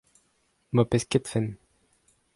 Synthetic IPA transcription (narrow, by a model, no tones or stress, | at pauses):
mɔpɛskʲɛt̪fɛn